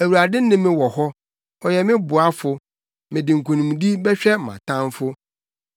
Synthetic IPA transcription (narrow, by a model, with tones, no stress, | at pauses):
æ˨wu˨ɾa˨dɪ˦nɪ̃˦mɪ̃˦wɔ˨hɔ˦ | ɔ˨jɛ˨mɪ̃˦bʊ˨a˦fʊ˨ | mɪ̃˨dɪ˨ŋ̩˨kʰõ˨nĩ˨mũ˨di˦bɛ˦ɕᶣɛ˦˨mã̰˨tʰã˦mfʊ˦